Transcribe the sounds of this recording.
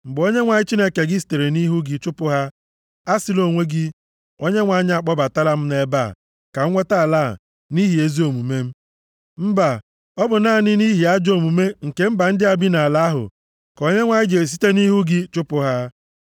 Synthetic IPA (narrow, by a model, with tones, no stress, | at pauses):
ŋ͡m̩˨ɡ͡bo˦ɲe˦ŋʷa˨˦ɲɪ˦t͡ʃi˦ne˦ke˨ɡɪ˦s̬i̥˨te˨ɾe˨ni˦ɦu˦ɡɪ˦t͡ʃʊ˦pʊ˦ɦa˦ | a˦sɪ˦lo˨ŋʷe˦ɡɪ˦ | o˦ɲe˦ŋʷa˨ɲ˦a˨k͡pɔ˦ba˨ta˦la˦m̩˦ne˦ba̰˦˨ | ka˨˦ŋʷe˦ta˦˨la̰˦˨ | ni˦ɦi˨e˦zi˦o˨mu˨me˦m̩˦ | m̩˦ba˨ | ɔ˦bʊ˨naː˦˨nɪ˦ni˦ɦi˨a˦d͡ʒo˨mu˨me˦ŋ̩˨ke˦m̩˦ba˨n̩˦dɪ˦a˨bi˦na˨la˦ɦʊ̰˨ | ko˨˦ɲe˦ŋʷa˨ɲɪ˦d͡ʒe˨s̬i̥˦te˦ni˦ɦu˦ɡɪ˦t͡ʃʊ˦pʊ˨ɦa˦